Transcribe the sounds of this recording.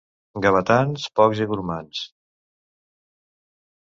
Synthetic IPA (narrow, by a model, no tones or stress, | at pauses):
ɡəβət̪anspɔkziβuɾmans